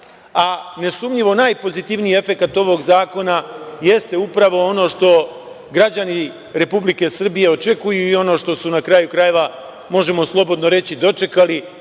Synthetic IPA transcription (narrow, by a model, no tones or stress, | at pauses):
ane̞sumʎiʋo̞naːjpo̞zit̪iʋniie̞fe̞kat̪o̞ʋo̞ːɡzaːko̞naje̞st̪e̞upɾaʋo̞o̞no̞ːʃt̪o̞ | ɡɾad͡ʑani | ɾe̞publike̞sr̩bije̞o̞t͡ʃe̞kujuio̞no̞ːʃt̪o̞sunakɾajukɾaje̞ʋa | mo̞ʒe̞mo̞slˠo̞bo̞d̪no̞ɾe̞t͡ɕid̪o̞t͡ʃe̞kali